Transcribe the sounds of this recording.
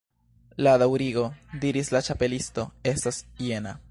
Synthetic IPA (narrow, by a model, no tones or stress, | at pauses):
ladawɾiɡo̞diɾislat͡ʃape̞listo̞e̞stasje̞na̰